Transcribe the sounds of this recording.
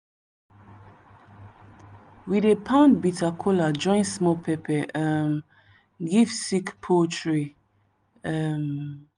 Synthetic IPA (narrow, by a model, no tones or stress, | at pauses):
widepʰãnbitʰakʰɔlad͡ʒɔ̃ɪ̃nsmɔlpʰɛpɛʔəm | ɡivsikpʰotɹi | əm